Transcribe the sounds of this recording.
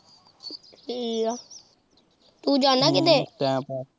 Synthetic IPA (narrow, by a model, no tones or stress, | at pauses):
ʈʰiːka | t̪ũːd͡ʒaːnaːkɪd̪eːt̪ɛ̃ːpː